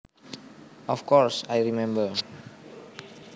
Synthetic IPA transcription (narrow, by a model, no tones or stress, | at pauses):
ɔfkʰɔɹsajɹimɛ̃mbə